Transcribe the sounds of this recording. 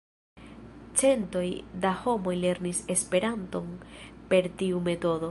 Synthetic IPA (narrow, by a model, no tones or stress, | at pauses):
t͡se̞nto̞jd̪aho̞mo̞jle̞ɾnise̞spe̞ɾanto̞npe̞ɾtiume̞to̞do̞